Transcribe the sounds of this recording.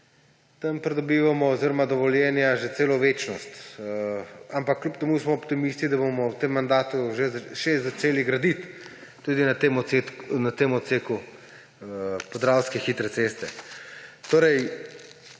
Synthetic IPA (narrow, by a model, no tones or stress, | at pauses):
t̪ɐmpɾɛd̪ɔbiːʋamɔoziɾɔmad̪ɔʋɔljɛnjaʒet̪seːlɔʋeːt͡ʃnɔst̪ | ampakːlupt̪ɛmusmɔɔpt̪imist̪id̪abomɔwt̪emːand̪aːt̪uʒeʃezat͡ʃeːliɡɾad̪it̪ː | ud̪inat̪emɔsenat̪emɔt̪seːku | pɔzd̪ɾawskɛxit̪ɾɛsest̪ɛ | t̪oːɾɛj